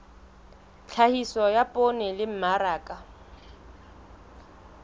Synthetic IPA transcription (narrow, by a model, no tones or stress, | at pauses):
t͡ɬʰahisɔjapʼonɛlɪm̩maɾaːkʼa